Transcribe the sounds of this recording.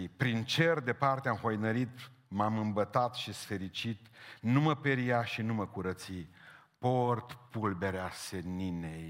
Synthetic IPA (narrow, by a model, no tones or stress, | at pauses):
pɾint͡ʃe̞rd̪e̞part̪eamho̞jnəɾit̪ | mamɨmbət̪at̪ʃisfe̞ɾit͡ʃit̪numəpeɾijaʃinuməkuɾət̪si | port̪pulbe̞ɾeaseninej